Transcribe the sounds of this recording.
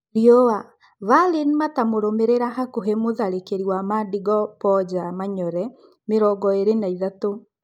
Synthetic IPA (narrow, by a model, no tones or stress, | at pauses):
ɾiɔwa | valinmatamoɾomeɾeɾaɦakoɦemoðaɾekeɾiwamaːdiɡɔpɔd͡ʑamaɲɔɾɛ | meɾɔɡɔeɾenaiðato